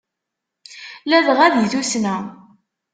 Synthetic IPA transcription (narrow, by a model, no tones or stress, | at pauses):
læðʁæðjθusnæ